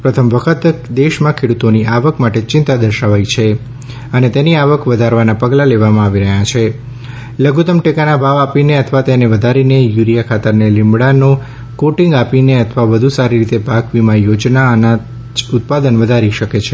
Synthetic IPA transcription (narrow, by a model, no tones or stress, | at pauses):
pɾət̪ʰəmʋəkʰət̪d̪eʃmãkʰeɽut̪oniʔaʋəkmaʈet͡ʃɪnt̪ad̪əɾʃaʋait͡ʃʰe | ənet̪eniaʋəkʰʋəd̪ʱaɾʋanapəɡlaleʋamãaʋiɾəɦat͡ʃʰe | ləɡut̪əmʈekanabʱaʋapineət̪ʰəʋat̪eneʋəd̪ʱaɾinejuɾijakʰat̪əɾnelɪmbɽano | koʈĩŋɡapineət̪ʰʋaʋəd̪ʱusaɾiɾit̪ebʱaɡʋimãjod͡ʒnaəna | ut̪̚pad̪ənʋəd̪ʱaɾiʃəket͡ʃʰe